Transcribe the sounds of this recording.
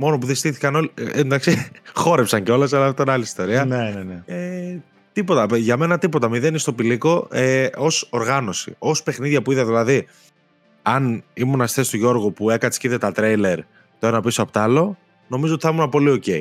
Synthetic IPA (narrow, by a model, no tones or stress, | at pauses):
mo̞nopuðest̪iθi̥kɐno̞lend̪ɐksixo̞ɾepsɐɲceo̞lɐs̬ɐlɐft̪ɐnɐliist̪o̞ɾiɐnenenee | t̪ipo̞t̪ɐʝɐme̞nɐt̪ipo̞t̪ɐmiðe̞nist̪o̞piliko̞eo̞so̞ɾɣɐno̞sḭo̞spe̞xniðʝɐpuiðeðilɐði | ɐnimonɐst̪e̞st̪oʝo̞ɾɣupue̞kɐt̪isciðet̪ɐt̪ɾejle̞ɾ | t̪oe̞nɐpisoɐpot̪ɐlo̞ | no̞mizoot̪iθɐmunɐpo̞lio̞ce̞i